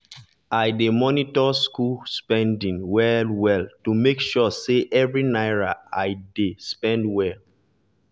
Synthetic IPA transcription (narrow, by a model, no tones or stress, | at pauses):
ʔajdemɔnitɔskulspɛ̃ndĩŋwɛlwɛltumekʃɔseʔɛvɹinaɪɹaaɪdespɛ̃ndwɛl